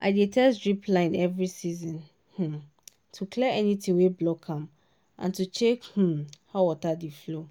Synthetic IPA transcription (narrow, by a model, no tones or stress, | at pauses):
ʔadetʰɛsɹipʰlãɪ̃nɛvɹisizɔ̃n | h̩ | tʰukʰlɛɛnĩtʰĩŋweblɔkʰãm | ʔã̰ntut͡ʃʰekh̩hawɔtadiflo